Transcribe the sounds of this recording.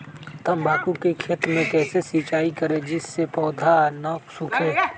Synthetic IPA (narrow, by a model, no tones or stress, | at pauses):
t̪ɐmbʱaːkukekʰeːt̪mẽkɛːsesiːt͡ʃaːikɐɾed͡ʒɪsːepɔːd̪ʱanaksʊkʰeː